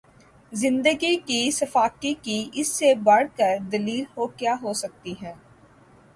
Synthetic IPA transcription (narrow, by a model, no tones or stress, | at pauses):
zɪ̃nd̪əɡikisɐfaːkikiʔɪsːebɐɽ̤kəɾd̪ɐliːlhoːkjaːɦoːsɐk̚t̪iɦɛ̃ː